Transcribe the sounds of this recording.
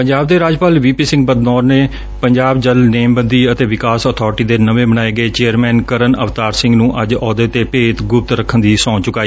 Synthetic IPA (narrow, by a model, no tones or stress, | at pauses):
pəɲd͡ʒaːb̚d̪eːɾaːd͡ʒpaːlʋiːpiːsɪ̃ŋɡbəd̪nɔːɾneː | pəɲd͡ʒaːbd͡ʒəlneːmbənd̪iːət̪eːʋɪkaːsɔːt̪ʰɔːɾʈiːd̪eːnəʋẽːbəñaːeːɡəeːt͡ʃeːəɾmɛ̃ːnkəɾənəʋt̪aːɾsɪ̃ŋɡnũːʔəd͡ʒɔːd̪et̪eːpeːt̪ɡʊp̚t̪ɾəkʰːənd̪iːsɔ̃ːt͡ʃʊkaːiː